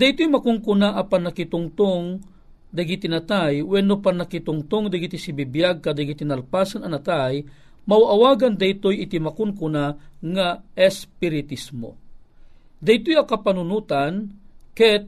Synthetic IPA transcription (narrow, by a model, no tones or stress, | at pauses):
d̪ɐjt̪ojmɐkʊŋkʊnaʔɐpanɐkɪt̪ʊŋt̪oŋ | d̪ɐɡit̪ɪnat̪ajwɛnopanakɪt̪ʊŋt̪oŋd̪aɡit̪isibibjaɡ̚kɐd̪ɐɡit̪ɪnɐlpaːsanɐnɐt̪aj | mawaʔawaːɡɐnd̪ɐjt̪ojɪt̪imakʊnkʊnaŋaɛspɪɾɪt̪ismo̰ | d̪ɐjt̪ojɐkɐpanʊnuːt̪ankɛt̪̚